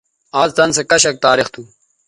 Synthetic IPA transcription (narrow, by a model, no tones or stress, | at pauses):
aːzt̪ɐnsekɐɕɐk̚t̪aːɾext̪ʰu